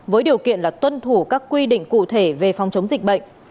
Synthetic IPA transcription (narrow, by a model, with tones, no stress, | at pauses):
vəː˨˦jɗi˨˩əwkḭ˧˨ənlaː˨˩t̪wə˧nt̪ʰu˧˩kaː˦˥kkːwi˧ɗḭ̈˧˨ŋ̟kṵ˧˨t̪ʰe˧˩ve˨˩fa˨˩wŋ͡mt͡ɕə˨˦wŋ͡mzï˨˩k̟̚ɓə̰˧˨jŋ̟